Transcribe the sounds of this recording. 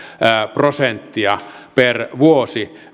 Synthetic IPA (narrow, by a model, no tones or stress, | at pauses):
əprosent̪ːiɑperʋuosi